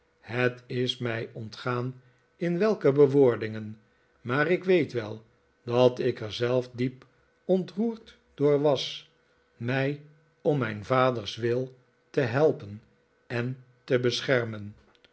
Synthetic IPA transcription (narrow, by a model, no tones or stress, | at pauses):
hətɪsmɛjɔntχaːn | ɪnʋɛlˠkəbəʋʊːɹdɪŋən | maːɾɪkʋejtʋɛlˠ | dɑtɪkəɹzɛlˠfdip | ɔntruːɹt | d̥ʊːɹʋɑs | mɛj | ɔmːɛjnvaːdəɹsʋɪlˠ | təɦɛlˠpən | ɛn | təbəsχɛɹmən